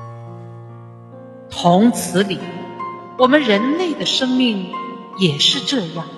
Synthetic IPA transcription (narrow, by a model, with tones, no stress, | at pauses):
t̪ʰʊ˧˥ŋt͡sʰɹ̩˧˥li˨˩˦ | wɔ˨˩mə˦nɻə˧˥nle˥˩ɪd̪ə˩ʂɤ˥ŋmi˥˩ŋjɛ˨˩ʂɻ̩˥˧ʈ͡ʂɤ˥˧jɑ˥˩ŋ